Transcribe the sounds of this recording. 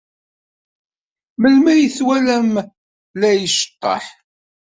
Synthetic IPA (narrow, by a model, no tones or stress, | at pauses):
məlmæjəθwælæm | læjəʃə̥t̪ˤːɑ̰ħ